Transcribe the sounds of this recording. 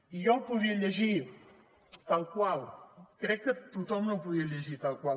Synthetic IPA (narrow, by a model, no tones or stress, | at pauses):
ijɔwpuðiəʎəʒi | t̪alˠkwalˠkɾɛkːət̪ut̪ɔmnõwpuðiəʎəʒit̪alˠkwal